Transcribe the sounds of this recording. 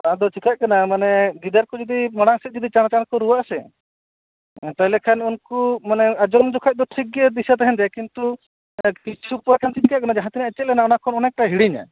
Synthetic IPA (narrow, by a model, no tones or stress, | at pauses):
aãd̪ɔt͡ʃikaʔkanamanɛɡid̪aɾkɔd͡ʒɔd̪imɔɽaŋsɛt̪̚ˀd͡ʒɔd̪it͡ʃanat͡ʃaɾkɔɾuwaasɛ | t̪aɦilɛkʰanunkumanɛad͡ʒɔmd͡ʒɔkʰac̚d̪ɔʈʰik̚ed̪isat̪aɦɛnɾɛkint̪u | kit͡ʃʰupɔɾakʰant͡ʃitikaʔkanad͡ʒaɦãt̪inaɛt͡ʃɛlɛnaɔnakʰɔnɔnɛk̚ʈaɦiɽiɲa̰